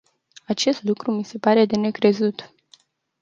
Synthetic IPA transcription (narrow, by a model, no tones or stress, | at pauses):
at͡ʃe̞st̪lukɾumise̞paɾe̞d̪e̞ne̞kɾe̞zut̪